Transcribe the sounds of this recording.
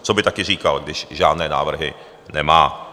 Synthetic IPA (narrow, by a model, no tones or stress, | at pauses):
t͡sobɪt̪akɪriːkalɡdɪʃʒaːdnɛːna̰ːvr̩ɦɪ̰ | nɛmaː